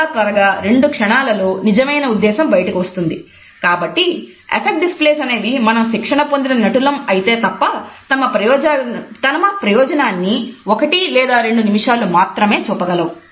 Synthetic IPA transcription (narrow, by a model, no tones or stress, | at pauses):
at̪ʋɐɾɐɡaːɾe̞ɳɖukʂɐɳaːlɐluːnid͡ʒɐmɐjnɐud̪ːɛːsɐmbɐjɐʈɐkiʋɐst̪und̪i | kaːbɐʈːi | ḛpʰek̚ʈ̚ɖispleːsɐne̞ːd̪imɐnɐmʃikʂɐɳɐpond̪inɐnɐʈulɐmɐjit̪e̞ːt̪ɐpːɐt̪ɐmɐpɾɐjɔːd͡ʒt̪ɐnɐmɐpɾɐjɔːd͡ʒɐnaːnːiokɐʈilɛːd̪aːɾe̞ɳɖunimiʂaːlumaːt̪ɾɐme̞ːt͡ʃuːpːɐɡɐlɐwu